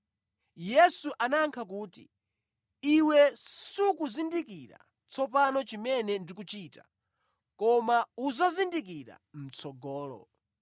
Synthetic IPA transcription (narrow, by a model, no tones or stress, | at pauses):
jɛsuʔanaŋkʰak̬uːtḭ | iwɛsukuzindikiɾa̰ | t͡sʰɔpanɔt͡ʃimɛnɛndik̬ut͡ʃiːta | kɔmauzazindik̬iɾa̰m̩t͡sʰɔɡɔːlɔ̰